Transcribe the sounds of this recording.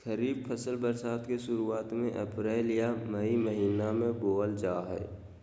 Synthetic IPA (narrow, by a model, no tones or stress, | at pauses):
xəɾiːb̚pʰəsəlbəɾsaːt̪keʃʊɾuaːt̪mẽʔɛpɾeːlijaməiməɦiːnamẽboːəld͡ʒaːɦɛ̰ː